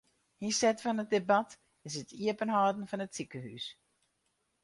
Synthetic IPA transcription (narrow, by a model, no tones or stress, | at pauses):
hisɛtfɔnət̚debat | ɪsətʰiəpənɦɔːdn̩fɔnətsikəhy̰s